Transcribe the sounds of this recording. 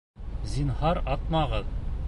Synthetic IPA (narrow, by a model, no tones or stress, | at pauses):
zinhɑɾɑt̪̚mɑʁɤð